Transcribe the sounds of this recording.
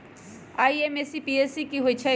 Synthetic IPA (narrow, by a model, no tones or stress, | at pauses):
aːiemesipiesikiɦoit͡ʃʰɐ